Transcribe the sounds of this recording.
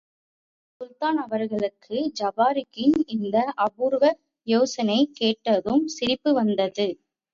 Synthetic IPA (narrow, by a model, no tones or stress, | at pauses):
sʊlt̪aːnɐʋɐɾɣɐɭɯkʰːɯd͡ʒɐbaːɾɪkːɪnɪnd̪ɐʔɐbuːɾɣɐ | joːsɐnɐɪkːeːʈːɐðɯmsɪɾɪpːɯʋɐnd̪ɐðɯ